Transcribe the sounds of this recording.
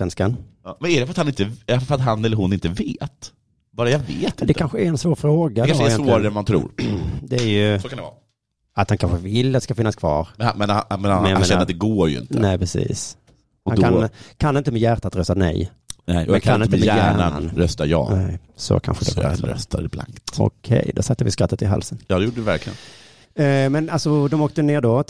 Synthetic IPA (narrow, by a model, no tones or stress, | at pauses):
svɛnskanːmɛnæɖɛfœɾat̪hanɪnt̪əɛfɾat̪hanːɛlːəɾhʊnɪnt̪əveːt̪ | bɑːɾajaveːt̪ɪd̪d̪ɛt̪kanɧəæɾɛnsvoːɾfɾoːɡad̪ɔjɛsːɾaɾɛmant̪ʰɾṵːɾd̪ɛæɾjɵsɔkʰand̪ɛɑ̰ː | at̪hankʰanɧəvɪlːat̪ːskafɪnːaskʰvɑ̰ːɾmɛnamɛnmɛnjajmeɛnɾːɾat̪d̪ɛɡoːɾjɵ̰ɪ̰nt̪nəɛɪpʰɾɛsḭːs | akʰankʰanːɪnt̪əmɛjæɾt̪at̪ɾœst̪anɛ̰j̪ | ɛɛnkʰanɪnmɛæːannɾœst̪ajɑ̰ːnɛɪsɔ̰kʰa̰nɧəɛɛɾɛst̪adɛbla̰ŋkt̪ɔ̰kʰɛ̰jd̪ɔsat̪ːəvɪskɾat̪ːət̪ɪɦa̰lsənjɑːd̪ɛjʊʈːəɛvæɾklɪɡə̰nn | mɛnalsɔd̪ɔmoːkt̪əneːɖo